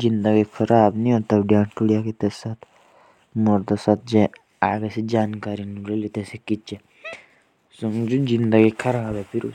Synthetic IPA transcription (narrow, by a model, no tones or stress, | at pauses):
zind̪əɡikʰɐɾaːbniõt̪ɐbɖjaːɳʈuɽijakit̪esat̪ʰ | moɾt̪ɐsat̪̚d͡ʒẽ | a̰ːɡesed͡ʒaːnkaːɾinuɾelit̪esekit͡ʃe | suŋd͡ʒuzind̪ɐɡikʰɐɾaːbepʰiɾu